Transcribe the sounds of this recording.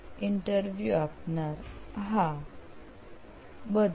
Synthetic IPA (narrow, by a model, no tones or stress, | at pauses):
iɳʈəɾʋjuapnaɾɦa | bəd̪